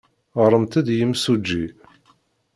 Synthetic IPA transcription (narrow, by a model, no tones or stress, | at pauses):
ɾˤəmt̪æd̪jəmsud͡ʒːi